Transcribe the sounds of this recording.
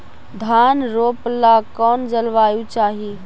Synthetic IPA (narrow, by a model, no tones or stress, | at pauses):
d̪ʱaːnɾoːplakɔːnd͡ʒəlʋaːjut͡ʃaːɦi